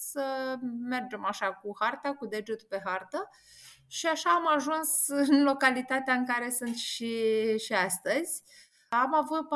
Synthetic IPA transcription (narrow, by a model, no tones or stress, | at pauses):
səme̞rd͡ʒe̞maʃakuhart̪akud̪e̞d͡ʒut̪pe̞ɦart̪ə | ʃiaʃaːmaʒunsɨnlo̞kalit̪at̪eaɨŋkaɾe̞sunt̪sʃiʃiast̪əzʲ | amavut̪̚p